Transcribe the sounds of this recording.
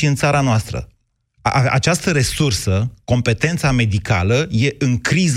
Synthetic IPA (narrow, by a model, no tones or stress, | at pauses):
iɨnt̪saɾanoast̪ɾə̰ | aa̰t͡ʃast̪əɾe̞sursəko̞mpe̞t̪e̞nt̪same̞d̪ika̰ləje̞ʔɨŋkɾiz